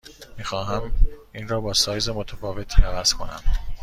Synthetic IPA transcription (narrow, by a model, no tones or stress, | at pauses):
miːxɒːɦæmiːnrɒːbɒːsɒːjzemot̪ʰæfɒːve̞t̪ʰiːævæz̥kʰo̞̰næ̰m